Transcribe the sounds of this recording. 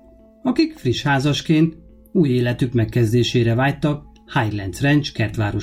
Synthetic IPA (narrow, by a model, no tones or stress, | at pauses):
ɒkikfriʃhaːzɒʃkeːnt̪ | uːjeːlɛt̪ykmɛkːɛzd̪eːʃeːɾɛvaːjt̪ɒk | hajrlɛnt̪srɛnt͡ʃkɛrt̪ʋaːɾo